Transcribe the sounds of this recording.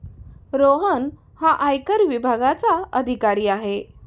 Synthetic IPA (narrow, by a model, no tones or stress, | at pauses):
ɾoɦən | haʔajkəɾʋibʱaɡat͡saəd̪ʱikaɾiːaɦe